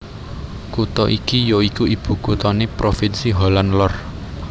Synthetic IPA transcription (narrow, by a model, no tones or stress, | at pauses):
kut̪ɔʔikijoikuib̥ṳkut̪ɔnepɾofɪnsiɦolanlɔr